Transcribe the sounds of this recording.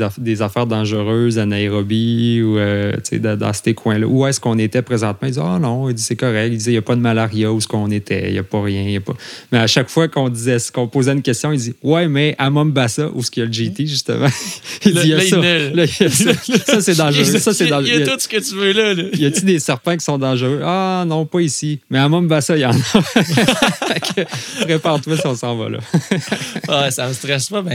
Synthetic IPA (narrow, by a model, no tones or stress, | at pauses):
d̪ezafɛːʁd̪ɑ̃ʒəʁøːzanaeʁɔbiuøt͡sḛd̪d̪ɑ̰̃sə̥t̪ekʰwɛ̃lʌ̰ʔuɛsə̥kɔ̃net̪ɛpʁezɑ̃t̪̚mãild̪zɛɔnɔ̃ild͡zisɛkɔʁɛkild̪izɛjapʌd̪əmalaʁjausə̥kɔ̃net̪ʰɛ̰ja̰pɔʁjɛ̃jəpɔ̰mɛaʃakfwakɔ̃d̪izɛsə̥kɔ̃poːzɛynkʲɛst̪jɔ̃ild͡ziwɛmɛamɔmbasaʔuskəjaləʒit̪eʒyst̪ə̰mã̰izijasʌɛllʌəssʌsɛd̪ɑ̃ʒəʁsʌsɛd̪ɑ̃j̪ʊt̪sə̥kət̪yvølʌləjʌtyd̪esɛʁpɛ̃k̬ʲi̥sɔ̃d̪ɑ̃ʒəʁøanɔ̃pʌisimɛamɔmbasʌijɑ̃nʌ | fakəʁepaʁt̪wasiɔ̃sɑ̃vʌ̰lʌ̰ | asaməst̪ʁɛʃpɔmɛ̃